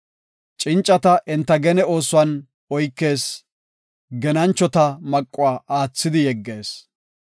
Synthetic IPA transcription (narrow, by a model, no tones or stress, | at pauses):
t͡ʃʼɪnt͡ʃʼːɐt̪ɐʔɪnt̪ːɐɡɛnɛo̞ːsʊwɐn | ɔjkːe̞ːs | ɡɛnɐnt͡ʃːɔt̪ɐmɐkʼːʊwaːʔaːt͡sːɪd̪ɪjɛɡːe̞ːs